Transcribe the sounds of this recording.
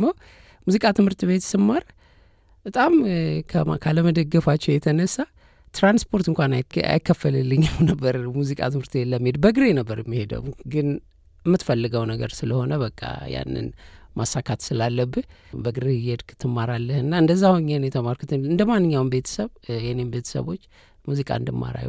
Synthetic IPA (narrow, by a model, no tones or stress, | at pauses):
məw | muzikʼat̪ʰɨmhɨɾt̪ʼbe̞t̪sɨmːaɾ | bət̪ʼamkʰəkʰaləməd̪əɡːəfat͡ʃːɛwjɛt̪ʰənəsːa | t̪ɾanspʰo̞ɾt̪ɨŋkʷʰanaa̰jɪkʰːəfːəlɨlːɨɲːawnəbːəɾmuzikʼa̰t̪ʰɨmhɨɾt̪ɨbet̪lːəmːihed̪bəɡɨɾenəbːəɾjɛmːihe̞d̪ə̰wɡɨn | ɛmːɨt̪fəlːɨɡəwnəɡə̰ɾsɨləho̞nəbəkʼːa̰ja̰nːɨ̰nmʔasakʰat̪sɨlalːəbːɨ | bəɡɨɾejɛd̪kɨt̪ʰɨmːaɾalːəhɨnːaɨnd̪əzːahoɲːenɛt̪ʰəmaɾkʰut̪ʰɨnɨnd̪əmanːɨɲːawnbe̞t̪ʰə̥səβjɛnembe̞t̪ʰə̥sə̰βo̞t͡ʃː | muzikʼa̰ɨnd̪ɨmːa̰ɾa̰j